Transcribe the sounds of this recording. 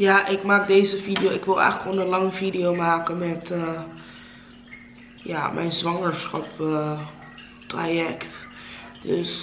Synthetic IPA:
jaːʔɪkmaːk̚dejzəvidijowɪkʋɪlˠɛ̰jχələkondəlɑŋəvidijowmaːkənmɛtə | ja̰ːmʔɛ̰jnzʋɑŋəɹsχɑ̰pə | tra̰jɛkt | d̥øs

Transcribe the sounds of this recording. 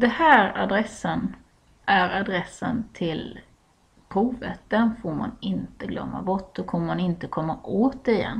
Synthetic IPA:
d̪̥ɛhæːɾad̪ɾɛsːən | ʔæɾad̪ɾɛsːə̰nt̪ʰɪl | pʰɾuːvə̰t̪̚d̪ɛnfoːɾma̰nɪnt̪əɡlœ̰mːa̰bɔʈːdɔkʰɔmːəmanɪnt̪əkʰɔmːaʔoːt̪ɪjɛ̰nː

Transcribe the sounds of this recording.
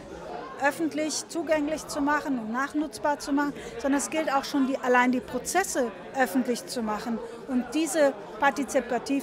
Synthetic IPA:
ʔœfn̩tlɪçt͡suːɡɛŋlɪçt͡sumaχnʊntnaːχnʊt͡sb̥aːɐt͡sumaχn̩zɔndɐnɛsɡ̥ɪltaʊxʃoːndiːʔalaɪndiːpʁ̥ot͡sɛsə | ʔœfn̩tlɪçt͡sumaχən̩ | ʔʊnt̚d̥iːzə | paɐtit͡sipatʰiː

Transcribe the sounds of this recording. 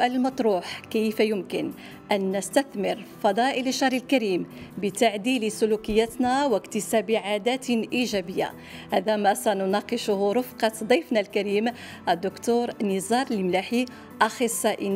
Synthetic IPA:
ʔæləlmɑt̪ˤɾuːħkəjfjʊmkən | ʔænːəst̪æθmɪɾfɑd̪ˤɑʔələʃːɑɾilkæɾiːmbət̪aʕd̪ilisʊlukəjːæt̪næwəkt̪əsæbiʕad̪æt̪ʔiʒæbəjːa̰ | hæd̪æmæsænʊnɑqəʃʊhɾʊfqɑd̪ˤijfnalkæɾiːm | ʔæd̪ːʊkt̪uɾnizˤɑɾˤlmlaħi | ʔɑxəsˤːɑʔin

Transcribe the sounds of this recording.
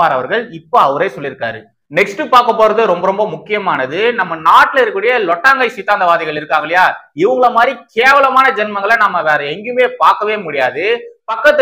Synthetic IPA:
aːɾɐʋɐɾɣɐɭɪpːoɐʋɐɾɐɪsɔlːɪɾɯkːa̰ːɾɯ | nɛksʈːɯpaːɾkɐpːoːɾɐðɯɾɔmbɐɾɔmbɐmʊkːɪjɐmaːnɐðɯnɐmːɐnaːʈːɪlɐɾɯkːɯːɽɐjɐlɔʈːaːŋɡɐɪsɪt̪ːaːɐnd̪ɐʋaːðɪɣɐɭɪɾɯkːaːŋɡɐɭɪjaːɪʋɐŋɡɐɭɐmaːd̪ɾikeːʋɐlɐmaːnɐd͡ʒɛnmɐŋɡɐɭɐnɐmːɐʋaːɾɯɛŋɡɯmeːpaːɾkɐʋeːmʊɽɪjaːðɯpɐkːɐt̪ː

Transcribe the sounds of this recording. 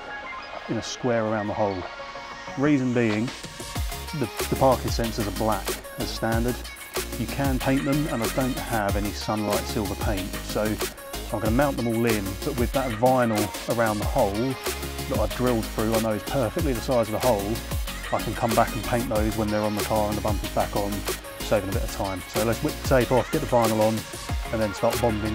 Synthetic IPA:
ɨ̃nəskwɛːɹə˞ãʊ̃nðəhɔʊlˠ | ɹizɨ̃nbiɪ̃ŋ | ðəðəpʰɑɹkɪ̃ŋsɛ̃nsəzəblæk | ɨz̥stæ̃ndə˞d̥ | jɨkʰə̃npʰẽɪ̃nðə̃mə̃naɪdə̃ʊ̃nʔhəvɛnisʌ̃nlaɪtsɪlˠvə˞pʰẽɪ̃ntsoʊ | ãɪ̃mɡʌnəmãʊ̃nðə̃mɔːlˠɪ̃nb̥ʌʔwɨðətvaɪnl̩ˠ | ə˞ãʊ̃nðəhɔʊlˠðəɾaɪvdɹɪlˠd̪̥̚θɹʉaɪnəʊɨz̥pʰɜ˞fɪk̚tˡliðəsaɪzʌvðəhɔʊlˠ | aɪkʰnkʰʌ̃mbakn̩pʰẽɪ̃nðəʊzwə̃nðə˞ə̃nməɪkʰɑːɹə̃nðəbʌ̃mpɨzbækn̩ | seɪvɪ̃ŋəbɪɾəv̥tʰãɪ̃msoʊlətswɪtsʰeɪfɔˑθɡ̥ɛʔ̪̚ðəvaɪ̃nl̩ˠə̃n | ə̃nðɨ̃nstɑˑɹʔ̚b̥ɑ̃mbɪ̃ŋ

